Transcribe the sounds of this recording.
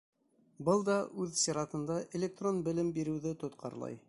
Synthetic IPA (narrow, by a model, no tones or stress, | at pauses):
bɤlˠd̪ɑʔʉðsʲeɾɑt̪ɤ̆nd̪ɑʔelʲek̚t̪ronbɘ̆lɘmbiɾɘ̆wðɘt̪ŏt̪qʰɑ̰ɾlˠɑ̰j